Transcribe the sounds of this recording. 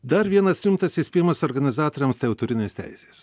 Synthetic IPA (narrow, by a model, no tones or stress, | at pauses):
d̪ɐɾʋʲiɛnɐsɾʲɪmt̪ɐsɪsʲpʲeːjmɐsoːɾɡɐnʲɪzɑːt̪oːɾʲɛmst̪ʲɛʊt̪ʊɾʲɪnʲeːsʲt̪ʲæ̰ɪsʲeːss